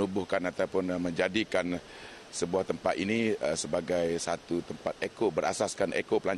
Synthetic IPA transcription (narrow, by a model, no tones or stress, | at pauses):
ubʊhkanat̪aupʊnməɲd͡ʒadikan | səbuaht̪əmpat̪iniəsəbaɡajsat̪ut̪əmpat̪̚ekobəɾa̰saskanʔḛkopəlaɲ